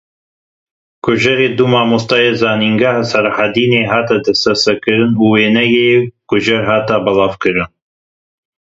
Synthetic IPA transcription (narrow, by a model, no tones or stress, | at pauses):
kʊʒɐɾeːd̪umaːmust̪ɑjeːzaːniːŋɡaːhasɛɾhad̪iːneːɦaːt̪ad̪ɛst̪ɛsɛkɨɾɨnuːweːnɛjeːkʊʒɛɾɦaːt̪abɐlaːvkɨɾɨn